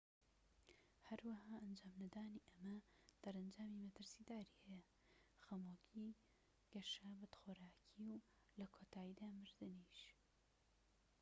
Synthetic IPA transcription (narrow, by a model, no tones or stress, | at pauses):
hɐɾwɐhaːʔɐnd͡ʒaːmnɐd̪aːniːʔɐmɐd̪̥ɐɾɐnd͡ʒaːmiːmɐt̪ɨɾsiːd̪aːɾiːhɛjɐ | xɐmoːkʰi | ɡ̥ɐʃaːbɐt̪xoːɾaːkʰiw | lɐkʰoːt̪ʰaːid̪aːmɨɾd̪ɨniʃ